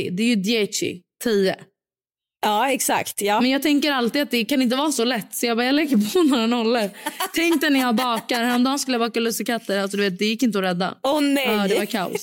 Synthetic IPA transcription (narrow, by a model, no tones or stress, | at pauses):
ɪ̰d̪ɛjɵd̪ɪɛt͡ʃɪ̰t̪ʰiːə | ɑːɛksa̰kt̪jɑːmɛnjɑːt̪ʰɛŋkəɾalt̪ɪat̪̚d̪ɛkanɪnt̪əvɑːsɔlɛt̪ːsɔjaɡbɑːjaːlɛɡːəɾpʰɔnɔɾanɔlːəɾt̪ʰɛŋk̚t̪ɛnæjɑːbɑːkaɾhɛɔmd̪ɑːnskɵləjabɑːkalɵsəkʰat̪ːəɾals̬ɔd̪ʉveːt̪̚d̪ɛjɪkːɪnt̪əɔɾɛd̪ːa̰ɔnɛad̪ɛvaɾkʰaʊ̰s